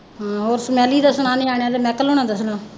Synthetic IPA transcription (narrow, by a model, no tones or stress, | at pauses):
ɦoːɾsəmɛːliːd̪aːsʊnaːniaːɳaːd̪eːmɛːkəloːnaːd̪aːsʊnãː